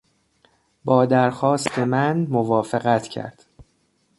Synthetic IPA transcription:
bɒːd̪æɾxɒːst̪ʰe̞mænmovɒːfeɣæt̪ʰcʰæ̰ɾd̪̥

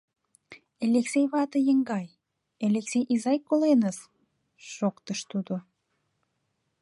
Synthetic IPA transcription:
elʲeksejβɑt̪ə̆jəŋɡɑj | elʲeksejʔizɑjkolenəs | ʃokt̪əʃt̪ud̪o

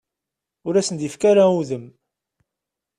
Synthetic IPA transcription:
ʊɾæsənd̪ifkaɾauðəm

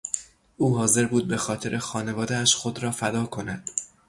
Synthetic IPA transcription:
ʔuːɦɒːze̞ɾbuːd̪̚be̞xɒːt̪ʰe̞ɾʔe̞xɒːne̞vɒːd̪eæʃxod̪ɾɒːfæd̪ɒːkʰo̞næd̪̥

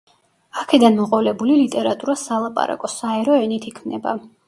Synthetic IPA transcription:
akʰɛd̪anmɔqʼɔvlɛbulilit̪ʼɛɾat̪ʼuɾasalˠapʼa̰ɾa̰kʼɔsaɛɾɔɛnit̪ʰikʰmnɛba̰

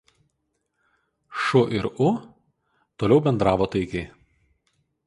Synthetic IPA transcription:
ʃʊʔɪɾʊ | t̪oːlʲɛʊbʲɛnd̪ɾɑːʋoːt̪ɐɪkʲɛɪ

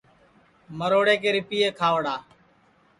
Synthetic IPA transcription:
məɾoːɽeːk̬eːɾɪpiːeːkʰaːʋɽaː

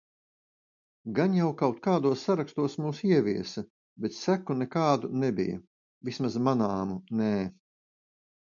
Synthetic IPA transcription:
ɡanjawkawt̪kaːd̪uɔsːaɾakst̪uɔsmuːsiɛviɛsɐ | bet̪sækːunɛkaːd̪unɛbḭjɐ̰ | vismazmanaːmunɛː

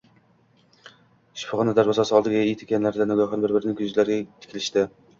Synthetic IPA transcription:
ʃpʰʊʁɑnɨd̪æɾbɑsɑsɨɑlˠd̪ɨɡʲɪijt̪ʰe̥kʲɛnlæɾd̪ænɪɡʲɑχɑnbɪɾbɪɾɪnɪŋʲkʰʲyzlæɾɡʲɛt̪ʰɪ̥kʰʲilɪʃt̪ɪ

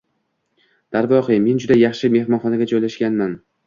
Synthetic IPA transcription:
d̪̥aɾvɒχɨme̞nd͡ʒʊd̪ajɑχʃɪme̞hmɒnχɒnaɡʲad͡ʒojlaʃɡʲanman

